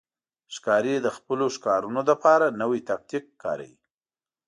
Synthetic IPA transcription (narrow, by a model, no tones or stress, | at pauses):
ʃkɑɾed̪əxpəloʃkɑɾunod̪əpɑɾanəwit̪ak̚t̪ik̚ːɑ̰ɾa̰wi